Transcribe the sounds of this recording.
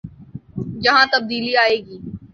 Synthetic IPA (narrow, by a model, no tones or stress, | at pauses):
jɐɦãt̪ɐb̚d̪iːliaːeːɡiː